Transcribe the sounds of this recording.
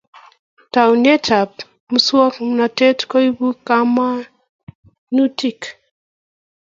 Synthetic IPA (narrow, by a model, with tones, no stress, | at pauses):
ta˨u˨ne˦tʰa˨p | mu˨˦swɔ˦kna˨tɛ˦tkɔ˦i˦bu˦ka˦ma˦ | nu˦ti˨k